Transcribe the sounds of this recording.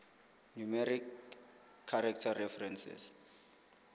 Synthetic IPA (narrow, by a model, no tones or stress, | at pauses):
numɛɾikʰː | aɾak̚tʰarɛfɛrɛnsɛ̰s